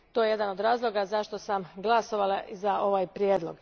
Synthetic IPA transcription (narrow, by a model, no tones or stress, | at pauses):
t̪ojejed̪anod̪ɾaːzlˠo̞ɡazaʃt̪o̞samɡlˠaso̞ʋalaʔizao̞ʋaːjpɾjeːd̪lˠo̞̰ɡ̥